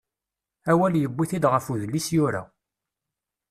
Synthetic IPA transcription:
æwæljəbʷːiθid̪ʁəfuðəlːisjʊɾa̰

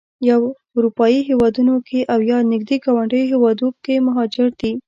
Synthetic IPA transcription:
jaw | ʊɾupɑjiɦewɑd̪unokʰeʔawjɑnɪɡ̚d̪eɡɑwaɳɖəjɦewɑd̪okemaɦɑd͡ʒɪɾd̪̥i

